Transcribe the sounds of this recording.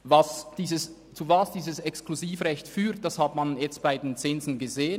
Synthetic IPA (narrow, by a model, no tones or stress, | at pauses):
vɑsd̥iːzəs | t͡suvɑsd̥iːzəsɛkskluziːfʁɛçtfyːt̚d̥ɑshatmanjɛt͡st̚b̥aɪdent͡sɪnzn̩ɡəzeːən